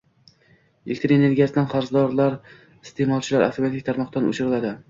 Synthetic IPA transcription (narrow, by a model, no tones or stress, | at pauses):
elʲkt̪ɾiene̞ɾɡʲijasɪd̪anqɑɾzd̪ɒɾlaɾ | ɪst̪ʰe̞mɒlˠt͡ʃʰɪlaɾʔa̰ft̪ʰoiat̪ɪk̚ʲt̪ʰaɾmɒqd̪anʊ̰t͡ʃʰʊɾɪlad̪ɪ